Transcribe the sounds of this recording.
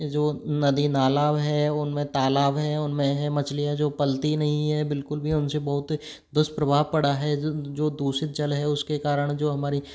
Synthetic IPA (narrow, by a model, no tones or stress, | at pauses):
d͡ʒoːnɐd̪inaːlaːʋɦɛʊnmẽt̪aːlaːʋɦɛʊnmẽɦɛmɐt͡ʃlijad͡ʒoːpɐlt̪inɐɦĩɦɛbɪlkʊlbʱiʊnsebɐɦʊt̪ | d̪ʊst̪pɾɐbʱaːʋpɐɽaɦɛd͡ʒoːd̪uːsɪt̪̚d͡ʒɐlɦɛʊskekaːɾəɽ̃d͡ʒoːɦɐmaːɾi